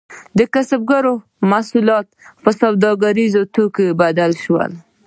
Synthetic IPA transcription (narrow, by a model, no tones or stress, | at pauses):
d̪əkasab̚ɡaɾo | masulɑt̪̚pəsawd̪ɑɡaɾizot̪okebad̪alʃwə̰l